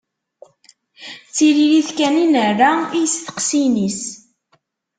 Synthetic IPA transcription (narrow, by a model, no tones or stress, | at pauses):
t͡sːililiθkæninərːaijəsθə̥qsinis